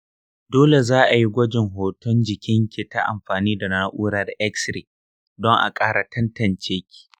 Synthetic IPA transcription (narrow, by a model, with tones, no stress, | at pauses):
doː˦le˨zaː˦ʔa˨ji˦ɡʷɐ˦d͡ʒɪ˨ŋɦoː˨tʰɔ˦nd͡ʒɪ˨kʲɪ˦ŋkʲe˨ta˦ʔa̰˨mɸaː˨niː˦da˨naː˦ʔʷuː˦ɽa˦rʔɛ˦ksɾi˨ | dɔ˦ŋʔa̰˨kʼaː˦ɾa˨tʰɐ˦ntɐ˨nt͡ʃeː˦kʲi̥˨